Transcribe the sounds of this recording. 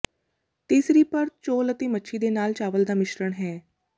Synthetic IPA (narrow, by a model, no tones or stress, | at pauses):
t̪iːsɾiːpəɾt͡ʃoːlət̪eːmətːʃʰiːd̪eːnaːlt͡ʃaːʋəld̪aːmɪʃɾəɳɦɛː